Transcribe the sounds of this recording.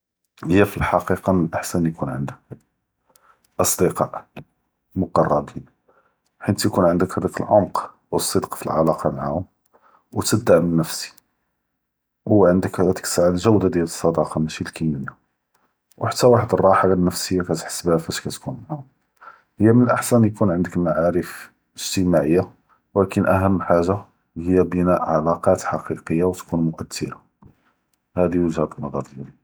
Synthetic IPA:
həjːæfilħɑqiqɑmnəlʔəħsænjkunʕə̰nd̪ək̚ | ʔɑsˤd̪əqɑʔ | mʊqɑrˤːɑbin | ħint̪jkunʕənd̪əkhæd̪ækəlʕomq | wəsˤːəd̪qfḭlʕalɑqɑmaʕa̰hʊm | wət̪əd̪ːæmənːəfsi̥ | wʊwːæʕənd̪əkhæd̪æt̪ə̥ksəʕalʒæwd̪ad̪jæləsˤːɑd̪ɑqɑmæʃilkimənːæ | wħat̪ːæwaħəd̪ərˤːɑħalanːəfsəjːakæt̪ħə̥sːəbhæfæʃkæt̪kunmaha | həjːæmənəlʔaħsænjkunʕənd̪əkmaʕaɾəf | əʒ̥t̪əmaʕəjːa | wlækənʔæɦəmːħaʒa | həjːæbənæʔʕalɑqɑt̪ħɑqiqəjːawt̪kunmʊʔæt̪ʰːəɾa | hæd̪iwəʒhæd̪ənːɑd̪ˤɑɾˤəli

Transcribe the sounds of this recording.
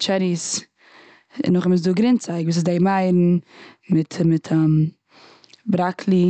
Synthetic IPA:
t͡ʃɛɾis | ɪ̰nʊχɪmɪns̬duːɡɾɪnt͡saɪkvuːs̬ɪzdeɪmaɪɾn̩mɪtʰmɪtʰam | bɾakʰlˠi

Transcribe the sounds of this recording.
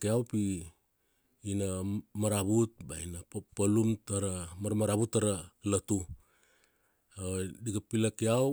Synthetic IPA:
keawpi | namaɾaβut̚ba̰inappalumtaɾamaɾmaɾaβutaɾalatu | adiɡapilakia

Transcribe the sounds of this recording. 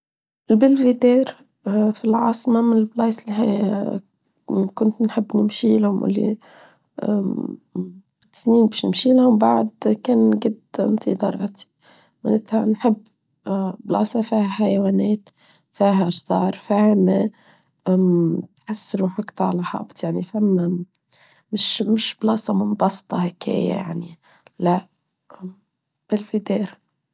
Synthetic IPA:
ʔɪlbɪlvid̪eːɾ | filʕɑːsˤmamɪnɪlblɑːslɦa | kʊnt̪nħɪbːnɪmʃiːlhʊmwʔɪ̰lːḭ | t̪sniːnbiːʃnɪ̰mʃiːlhʊmbaʕd̪keːnɡad̪mt̪ʰḭd̪ˤɑɾˤɑ̰t̪ʰi̥ | mɪ̰nɪt̪haʕnħɪbː | blɑ̰ːsˤɑfiːhaħajwaːneːt̪ | fiːɦaʒd̪ˤɑːɾˤfihame | t̪ħasːɪɾuħakt̪ˤɑʕlaħɑ̰ːbt̪ˤjaʕnifamːa | mɪʃmɪʃblɑːsɑmʊnbɑsˤt̪ˤɑhekʰḛːja̰ja̰ʕni | laʔ | b̥ɪlfid̪eːɾ

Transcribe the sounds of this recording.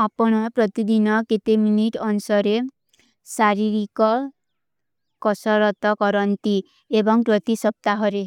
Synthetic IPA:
apɔɽ̃ɔpɾɔt̪id̪inɔket̪eminiʈɔnsɔɾe | saɾiɾikɔ | kɔsɔɾɔt̪ɔkɔɾɔnt̪i | ebɔŋpɾɔt̪isɔp̚t̪aɦɔɾe

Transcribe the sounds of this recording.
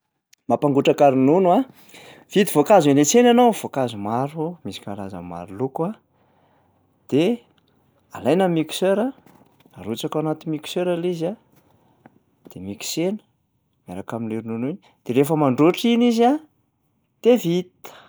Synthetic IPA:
mapaŋɡuʈ͡ʂakaɾinunua | v̥it̪ivokazenet͡senanowv̥okazumaɾumisi̥kalaza̰ma̰ɾuluka | d̪̥e | a̰lajnamiku̥søɾə | aɾut͡sakanat̪imiki̥seɾaliza | d̪̥emiksenə̥ | mja̰ɾakaminiɾinunin | d̪̥eɾefəmaɳɖ͡ʐoʈ͡ʂiniza | d̪̥evit̪

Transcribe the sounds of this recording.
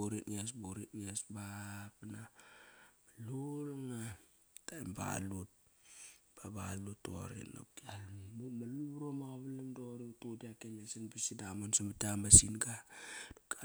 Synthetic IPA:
oɾitŋasbuɾit̚ŋasbapana | malulŋa | tajmba̰lut̚ | b̥abaluto̰ɾḭno̰p̚kialmumaluɾomakaβalemdoɾitudiakenasinbisidamonsamatamasinɡad̥oka

